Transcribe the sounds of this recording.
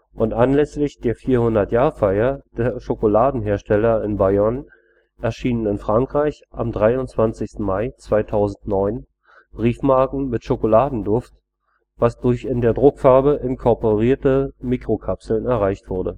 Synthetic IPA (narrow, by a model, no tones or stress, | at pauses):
ʔʊntʔanlɛslɪçd̥eːɐfiːɐhʊndɐtjaːfaɪɐd̥eːɐʃokolaːdn̩ɦeːɐʃtʰɛlɐɪnbaɔn | ʔɛɐʃiːnənɪnfʁ̥aŋkʁ̥aɪç | ʔamdʁaɪʊnt͡sv̥ant͡sɪçstn̩maɪt͡sv̥aɪtʰaʊzn̩tnɔʏn | b̥ʁiːfmaɐkŋ̩mɪtʃokolaːdn̩dʊft | v̥asd̥ʊɐçɪndeːɐdʁʊkfaɐbəʔɪnkʰɔɐpoʁiːɐtəmiːkʁ̥okʰapsl̩nɛɐʁ̞aɪçtv̥ʊɐdə